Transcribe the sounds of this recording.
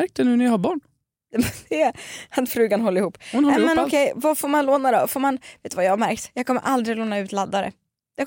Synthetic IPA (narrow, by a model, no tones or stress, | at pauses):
ɾk̚t̪ɛnʉ̟ːnɛjahaɾbɑːɳ | ɛmɛnd̪ɛat̪fɾʉ̟ːɡanɦɔlːəɾɪhuːpːʊnhɔɛmɛnɔkʰɛjvafoːɾmanloːnad̪ɔ̰foːɾmanv̥eːt̪ʉvajɑhaɾmæɾkt̪jɑːɡ̚kʰɔmːə̰ɾʔald̪ɾɪloːnaʉ̟ːt̪lad̪ːaɾə̰ | d̪̥ɛ